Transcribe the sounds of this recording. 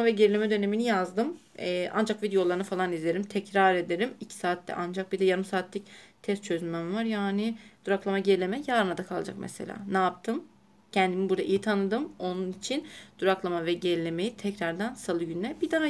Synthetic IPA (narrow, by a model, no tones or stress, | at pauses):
vɛɟeɾilʲe̞mɛd̪ø̞ne̞minijazd̪ɯm | ɛːʔa̰nd͡ʒakvid̪ejo̞lˠaɾɯnɯfalˠanizlʲeɾimt̪ʰɛcɾaɾe̞d̪e̞ɾimicʰi̥saːt̪ʰːɛ̰ʔand͡ʒak̚bid̪ɛjaɾɯmsaːt̪ʰlʲict̪ʰɛst̪̚t͡ʃʰøzynmænvaɾjaːnɪd̪̥uɾaklˠamaɟelʲe̞mɛjaːɾɯnad̪akʰalˠd͡ʒa̰kmʔɛ̰sḛlʲa̰ːnaːp̚t̪ʰɯm | cʰɛnd̪imibuɾd̪aʔijit̪ʰanɯd̪ɯmo̞nunit͡ʃʰind̪̥uɾaklˠamavɛɟelilʲe̞me̞jit̪ʰɛcɾaɾd̪ænsalˠɯɟynlɛbid̪ana